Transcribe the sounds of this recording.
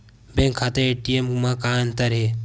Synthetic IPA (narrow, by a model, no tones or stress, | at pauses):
bẽŋkʰːat̪eeʈiemɡumãkaːɐnt̪ɐɾɦeː